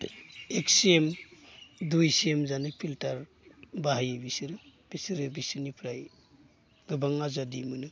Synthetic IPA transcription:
ek̚siem | dujsiemzanɯpʰiltaɾ | baɦajɯbisɯɾɯb̥isiɾɯbisɯnipʰɾaj | ɡɯbaŋazadimɯnɯ

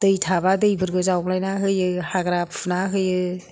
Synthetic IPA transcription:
d̥ɯjtʰabadɯjbɯɾɡɯzawblajnaɦɯjɯhaɡɾapʰnaɦɯjɯ

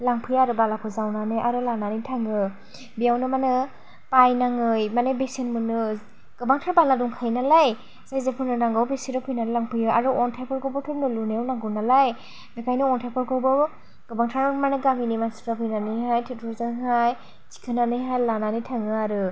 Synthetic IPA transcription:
laŋpʰɯjaɾɯbalakʰɯzawnanɯʔaɾɯlananitʰaŋɯ | bijawnɯmanɯ | pajnaŋɯjmanebesenmɯnɯ | ɡ̥ɯbaŋtʰɾabaladuŋkʰajnalaj | zajzepʰɯɾnɯnaŋɡawbesiɾɯpʰɯjnanɯlaŋpʰɯjɯʔaɾɯʔɔntʰajpʰɔɾkʰɯbɯtʰɯɾnɯlunewnaŋɡɯnalaj | mikʰajnɯɔntʰajpʰɔɾkʰɯbɯ | ɡ̥ɯbaŋtʰɾanmanɯɡaminimansi̥tapʰɯjnanɯjɦajtʰetʰuzɯŋɦaj | t͡ʃi̥kʰɯnanɯjɦajlananitʰaŋɯaɾɯ

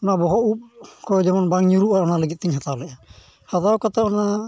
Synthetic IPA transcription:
ɔnabɔɦɔup̚kʰɔd͡ʒɛmɔnbaŋɲuɾuʔaɾɔnaləɡit̪̚t̪iɲɦat̪alɛ | had̪awkat̪aɔna

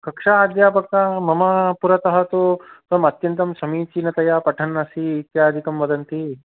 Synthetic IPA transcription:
kɐkʂaːd̪jaːpɐkɐmɐmɐpuɾɐt̪ɐɦɐt̪ut̪ɐmɐt̪jɐnt̪ɐmsɐmiːt͡ʃinɐt̪ɐjaːpɐʈʰɐnːɐsiːt̪jaːd̪ʱikɐmʋɐd̪ɐnt̪i

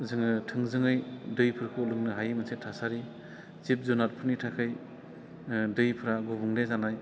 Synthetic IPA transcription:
zɯŋɯtʰɯŋzɯŋɯjdɯjpʰɯɾakʰɯulɯŋnɯɦajmɯsʰetʰasaɾi | t͡ʃip̚zɔnat̚pʰɯnitʰakʰɯj | dɯjpʰɯɾaɡobuŋdezanaj

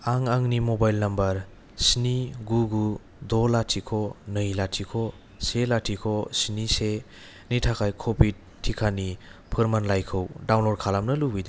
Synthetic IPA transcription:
aŋaŋnimobajlnɐmbɐɾ | sniɡuɡu | dɔlatʰikʰɔnɯjlatʰikʰɔ | selatʰikʰɔsinise | nitʰakʰajkʰobʰid | tʰːikʰanipʰɯɾmanlajkʰɯwdawnlɔɾkʰalamnɐlubide

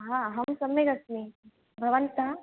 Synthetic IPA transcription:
ɦaɦɐmsɐmʋeɡɐsmi | bʱɐʋɐnt̪a

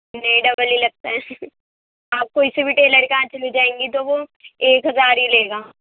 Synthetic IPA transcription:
nɐĩɖɐbəlilɐɡ̚t̪aɦɛ | aːp̚koɪsebʱiʈeːləɾkãːt͡ʃʰlid͡ʒaːẽːŋɡit̪oʋoeːkɦɐzaːɾɦileːɡaː

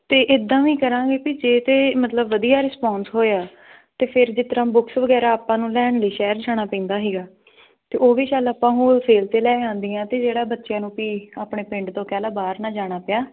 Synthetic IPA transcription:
t̪eːʔɪd̪ːãːʋĩːkəɾãːɡeːpid͡ʒeːt̪eːmət̪ləbʋəd̪ijaːɾɪspaːnsɦoːaː | t̪eːpʰɪɾd͡ʒɪt̪ɾãːbʊksʋəɡɛːɾaːaːpːãːnũːlɛːɳləiːʃɛːɾt͡ʃʰaːɽ̃aːpɛ̃ːnd̪aːɦiːɡaː | t̪eːʔoːʋiːʃaːlaːpːãːɦũːsʰeːlt̪eːlɛːãːnd̪iːãːt̪eːd͡ʒeːɽaːbətːʃɪjãːnũːpiːaːpɳeːpɪ̃ɳʈt̪õːkɛːlaːbaːɾnãːd͡ʒaːɽ̃aːpɪjaː

